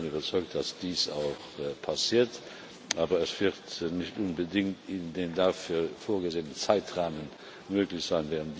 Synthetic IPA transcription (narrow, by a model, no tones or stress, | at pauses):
nyːbɐt͡sɔʏk̚td̥asd̥iːsa̰ʊxpʰasiːɐt | ʔaːbɐəsv̥ɪʁtnɪçtʔʊnbədɪŋtɪndeːndaːfyːɐfoːɐɡəzeːənənt͡saɪtʁaːmən | møːklɪçz̥aɪnvɛːʁəntd̥